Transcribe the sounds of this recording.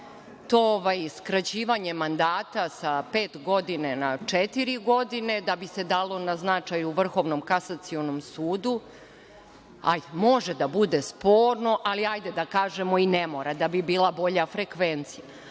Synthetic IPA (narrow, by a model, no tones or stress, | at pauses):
t̪ooʋajskɾat͡ɕiːʋaɲe̞mand̪aːt̪asape̞ːt̪ɡo̞d̪ine̞nat͡ʂet̪iɾiɡo̞d̪ine̞d̪abise̞d̪aːlˠo̞naznat͡ʂajuʋr̩xo̞ʋno̞mkasat̪sio̞nomsuːd̪u | a̰jd̪emo̞ʒed̪abud̪espo̞ːɾno̞ʔaliajd̪ed̪akaːʒe̞mo̞inemo̞ɾad̪abibiːlˠabo̞ʎafɾekʋent̪sija